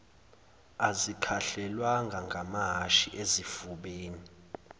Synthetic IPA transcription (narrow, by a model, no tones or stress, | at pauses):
azikʰaɬɛlwaŋɡʱaŋɡʱamaɦaʃiʔezifuɓeːni